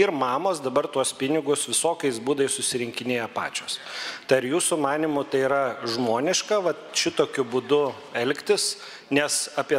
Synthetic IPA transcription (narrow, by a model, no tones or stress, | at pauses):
ɪrmɑːmoːsd̪ɐbɐrt̪uɔspʲɪnʲɪɡʊsʋʲɪsoːkʲɛɪsbuːd̪ɐjɪsʊsʲɪɾʲɪŋʲkʲɪnʲeːjɛpɑ̰ːt͡ʃʲoːst̪ɐɪɐɾjuːsʊmɑːnʲimʊt̪ɐɪiːɾɐʒmoːnʲɪʃkɐʋɐ | ʃʲɪt̪oːkʲʊbʊd̪ʊ | ɛlʲkt̪ʲɪs | nʲɛsɑpʲiɛ